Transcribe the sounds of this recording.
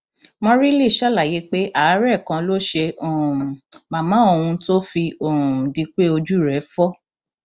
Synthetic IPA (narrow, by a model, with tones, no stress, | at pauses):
mɔ̃˦ɾi˦li˦˨ʃa˦˨la˨je˨˧˦k͡pe˦ʔa˦˨˦ɾɛ˦˨kã˧lo˦ʃe˧o˨ma˨mã˨˦o˧hũ˧to˦fi˧õ˨di˧˦k͡pe˦o˧d͡ʒu˦˨ɾɛ˨˦fɔ˦